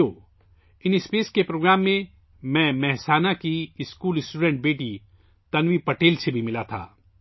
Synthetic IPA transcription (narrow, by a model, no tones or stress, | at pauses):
oː | ɪnɪspeːskepɾoːɡɾaːmːẽ | mɛ̃ːmɛɦsaːnakiɪskuːlɪsʈuːɖɛ̃ɳʈ̚beːʈi | t̪ɐnʋipɐʈeːlsebʱimɪlat̪ʰa̰ː